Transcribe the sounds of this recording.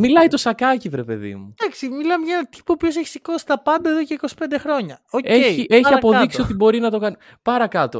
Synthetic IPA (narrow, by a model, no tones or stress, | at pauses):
milɐit̪o̞sɐkɐcivɾe̞pe̞̰ðḭmud̪ɐksimilɐmeʝɐenɐt̪i̥poːpço̞seçi̥siko̞si̥t̪ɐpɐnd̪ɐeðo̞ceiko̞si̥pe̞nd̪e̞xɾo̞ɲɐoeiʔeçiɐpo̞ððiksio̞t̪ibo̞ɾinɐt̪o̞kɐn | pɐɾɐkɐt̪o̞̰